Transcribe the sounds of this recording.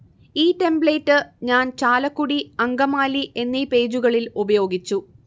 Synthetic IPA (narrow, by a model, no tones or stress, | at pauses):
iːʈe̞mbɭeːtːɨɲaːnt͡ɕaːlɐkːuɽiɐŋɡɐmaːliʔe̞nːiːpe̞ːd͡ʑuɣɐɭilubɐjo̞ːɡit͡ɕːu